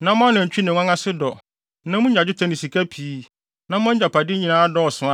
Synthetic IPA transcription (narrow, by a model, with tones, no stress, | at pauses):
nã˦mʊ̃˦ã˦nã˨t͡ɕᶣi˦nɪ̃˨ã˦ŋã˦sɪ˦dɔ˨ | nã˦mũ˦ɲ˦a˨d͡ʑᶣɪ˦tʰã˦nɪ̃˨si˨kʰa˦pʰiː˨˦ | nã˦m˦ã˦ɲ˦a˨pa˨dɪ˦ɲĩ˨nãː˦dɔ˦ɔ˨sʊ̃˨ã˦